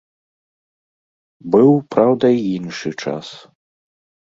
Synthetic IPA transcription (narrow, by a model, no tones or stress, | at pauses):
bɨwpɾawd̪ɐiinʂɨt͡ʂa̰s